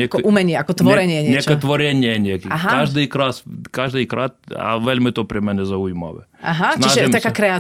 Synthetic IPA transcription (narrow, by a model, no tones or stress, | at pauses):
ɛkɔʔumɛɲɪɛakɔt̪ʋɔɾɛɲɪɛɲɲɛɛkɛt̪ʋɔɾɛɲɪɛɲɛkiaɦakaʒd̪ijkɾaskaʒd̪ijkɾat̪̚a̰ʋɛlʲmɪt̪ɔpɾʲɛmɛnɛzauima̰ʋɛ̰aɦasniaʒɛmt̪askakɾɛa